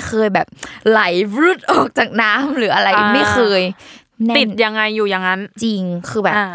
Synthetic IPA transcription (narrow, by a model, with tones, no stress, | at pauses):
xʰɤː˧jbɛː˨˩p̚la˩˦jɾuː˦˥˩t̪̚ʔɔː˨˩k̚t͡ɕaː˨˩k̚naː˦˥mɾɯː˩˦ʔa˧ɾa˧jma˥˩jxɤː˧j | nɛ˥t̪i˨˩t̪̚ja˧ŋːa˧jːuː˨˩ja˧ŋːa˦˥nt͡ɕi˧ŋkʰɯː˧bɛː˨˩p̚ː